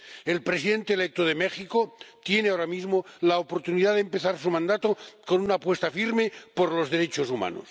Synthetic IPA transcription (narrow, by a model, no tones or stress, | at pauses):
e̞lpɾesiðe̞nt̪eːlek̚t̪oðe̞mexikot̪je̞neaoɾamizmolaopo̞ɾt̪uniðaðempeθaɾsumãnd̪at̪oko̞nunaːpwest̪afiɾme̞poɾlo̞zðe̞ɾe̞t͡ʃosuma̰no̰s